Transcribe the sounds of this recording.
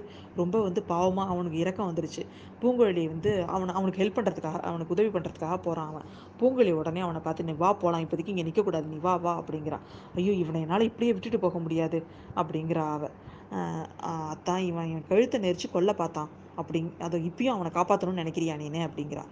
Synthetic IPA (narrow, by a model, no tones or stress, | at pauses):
ɯ | ɾɔmbɐʋɐnd̪ɯpaːʋɐmaːɐʋɐnɯk̬ːɯɪɾɐkːɐ̃ʋɐnd̪ɯɾɯt͡ʃːɯ | puːŋɡɐɻɭɪjɐʋɐnd̪ɯɐ̰ʋɐnɐɐʋɐnɯkːɯɦɛɭpːɐɳɾɐðɯkːaːɣɐ̰ʔɐ̰ʋɐnɯkːɯʊðɐʋipɐɳːɾɐðɯkːaːɣɐpoːɾãːɐʋɛ̰̃ | puːŋɡɐɭɪjɐɔɽɐneːɐʋɐnɐpaːɾt̪ːɯniʋaːpoːlãːɪpːɐðɯkːɯ̃ɪŋɡenɪkːɐkːuːɽaːðɯniʋaːʋaːɐpːɐɽɪŋɡɪɾã̰ː | ɐjːoːɪʋɐnɐjɛnːaːlɐɪpːɐɽɪjeːʋɪʈːɯʈːɯpoːɣɐmʊɽɪjaːðɯ | ɐpːɐɽɪŋɡɪɾɐːʋɛ̃ | ɐt̪ːãːɪʋɐ̃kɐɪɻɯt̪ːɐnɛɾt͡ʃːɯkɔɭːɐpaːɾt̪ãː | ɐpːɐɽɪnɐðoːɪpːɐjʊ̃ɐʋɐnɐkaːpaːt̪ːɐnʊ̃nɛnɛkːɪɾɪjaːniːnːeɐpːɐɽɪŋɡɪɾã̰ː